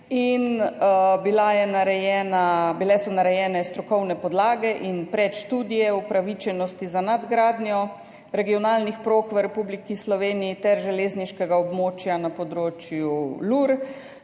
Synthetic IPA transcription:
in | bilajɛnaɾɛjɛːnabilɛsɔnaɾɛjɛːnɛst̪ɾɔkɔwnɛpɔd̪laːɡɛʔinpɾɛt̪ʃt̪uːd̪ijɛupɾaʋit͡ʃɛnɔst̪izanad̪ɡɾaːd̪njɔ | ɾɛɡijɔnaːlnixpɾoːkʋəɾɛpublikislɔʋeːniit̪ɛɾʒɛleːzniʃkɛɡaɔbmoːt͡ʃjanapɔd̪ɾoːt͡ʃjuluɾ

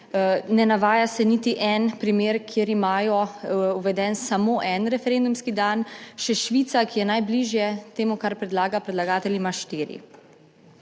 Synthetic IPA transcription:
nɛnaʋaːjasɛnit̪iʔɛnpɾimeːɾkʰjeɾimaːjɔuʋɛd̪ɛnsamoːʔɛnɾɛfɛɾend̪umskid̪anʃɛʃʋiːt̪sakijɛnajbliʒjɛt̪eːmukaɾpɾɛd̪laːɡapɾɛd̪laɡaːt̪ɛlʲjimaʃt̪iːɾḭ

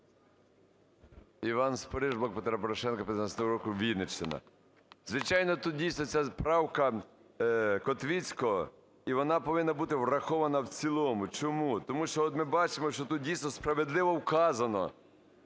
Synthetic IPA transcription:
iʋɑnspɔɾɪʒbˠɐk̚pet̪ɾapɔɾɔʃɛnkɐpʲjɪnat͡sʲnɔɦɔɾɔkʊʋʲinet͡ʃt̪ɪnɐ̰ | zʋɪt͡ʃɑjnɔt̪ut̪̚dʲijsnɔt͡sʲapɾɑwkɐ | kɔt̪ʋʲit͡sʲkɔɔ | iʋɔnɑpɔʋɪnːɐbut̪ɪwrɐxɔʋɐnɐwt͡sʲilˠɔmʊt͡ʃɔmut̪ɔmuʃt͡ʃɔɔt̪mɪbɑt͡ʃɪmɔʃt͡ʃɔt̪ut̪̚dʲijsnɔspɾɐʋed̪lˠɪʋɔwkɑzɐnɔ̰

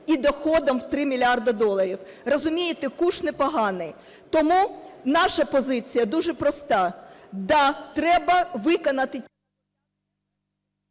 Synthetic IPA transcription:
id̪ɔxɔd̪ɐmwt̪ɾɪmʲilʲiɑrd̪ɐd̪ɔlˠɐɾʲiwrɔzʊmʲijɪt̪ɪkuʃnɪpɔɦɑnɪj | t̪ɔmunɑʃɐpɔzɪt͡sʲijɐd̪uʒɛpɾɔst̪ɑd̪ɑt̪ɾɛbɐʋɪkɔnɐt̪ɪ

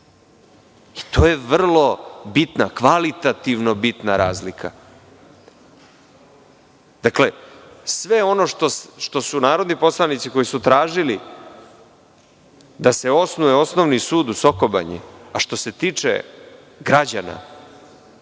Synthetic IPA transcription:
i̥t̪o̞ːje̞ʋr̩lo̞bit̪nakʋalit̪at̪iʋno̞bit̪naɾaːzlikʰa̰ | d̪̥akle̞sʋe̞o̞no̞ʃt̪osʃt̪o̞sunaːɾo̞d̪nipo̞slˠanit̪siko̞jisut̪ɾaːʒili | d̪ase̞o̞snujeosnoʋnisuːd̪uso̞ko̞ba̰ɲɛ̰aʃt̪o̞se̞t̪iːt͡ʂḛ | ɡɾad͡ʑana̰

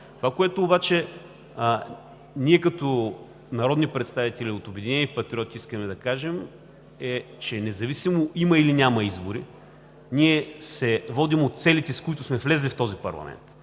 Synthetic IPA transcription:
t̪ovakoɛt̪ʊːbat͡ʃɛ | niɛkɐt̪o | nɐɾɔd̪nipɾɛt̪st̪avit̪ɛlʲiot̪ʊbɛd̪inɛnipɐt̪ɾʲiɔt̪iiskəmɛd̪ɐkaʒɛm | ɛ | t͡ʃɛnɛzɐvisimoʔimɐilinʲamɐizboɾḭ | niɛsɛvɔd̪imot̪t̪sɛlit̪ɛskʊit̪ʊsmɛflɛzlift̪ɔzipɐ̰ɾlˠɐ̰mʔɛ̰nt̪

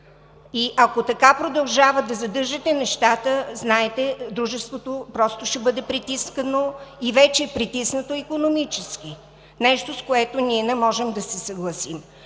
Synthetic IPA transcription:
iʔɐkot̪ɐkapɾod̪ɐlˠʒavəd̪ɐzɐd̪ɤɾʒɛt̪ɛnɛʃt̪at̪əznaɛt̪ɛd̪ɾuʒɛst̪vot̪opɾɔst̪oʃɛbɤd̪ɛpɾit̪iskənoivɛt͡ʃɛːpɾit̪isnət̪oikonomit͡ʃɛsk̟i | nɛʃt̪oskoɛt̪oniɛnɛmɔʒɛmd̪ɐsɛsɐɡlˠɐsim

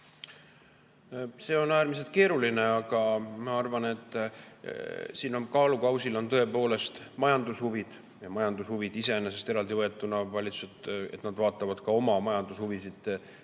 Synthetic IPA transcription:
se̞o̞næːɾmis̬e̞lt̪̚ke̞ːɾuline̞ɑɡ̥ɑmɑɑrvɑne̞t̪ːˑ | siːnomkɑːlukɑwsilo̞nt̪ɤ̞e̞po̞ːle̞st̪mɑjɑnd̪ushuvid̪̥ | jɑmɑjɑnd̪ushuvid̪ise̞enːese̞st̪e̞ɾɑld̪ivɤe̞t̪ːˑunɑvɑlʲit̪su̥set̪e̞t̪nɑd̪̥vɑːt̪ːˑɑvɑd̪̥kɑo̞mɑmɑjɑnd̪ushuvisid̪̥

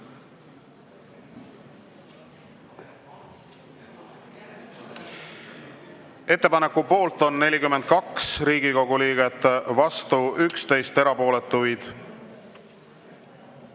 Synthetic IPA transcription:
e̞t̪ːe̞pɑnekːˑupo̞ːlt̪o̞nːe̞lʲikymːend̪̥̚kɑksɾiːɡ̥iko̞ɡ̥uliːɡe̞t̪ːˑvɑst̪uykst̪e̞jst̪e̞ɾɑpo̞ːle̞t̪ːˑujd̪̥

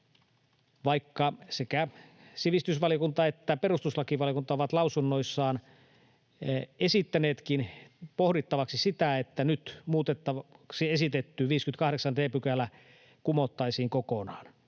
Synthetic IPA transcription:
ʋɑikːɑsekæ | siʋist̪ysʋɑliokunt̪ɑet̪ːæpe̞rust̪uslɑkiʋɑljokunt̪ɑoʋɑt̪lɑusunːoisːɑːn | e̞sit̪ːæneːt̪kinpohdit̪ːɑʋɑksisit̪æet̪ːænyt̪muːt̪et̪ːɑɑksie̞sit̪et̪ːyːʋiːskyt̪kɑhɾeksɑndeːpykælːæ | kumot̪ːɑisiːŋkokonɑːn

